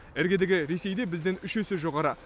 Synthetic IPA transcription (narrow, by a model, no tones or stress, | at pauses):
æɾɡʲed̪eɡʲɪɾe̞se̞jd̪e̞bɪzd̪ɪnʏʃesɪʒo̞ʁɑɾə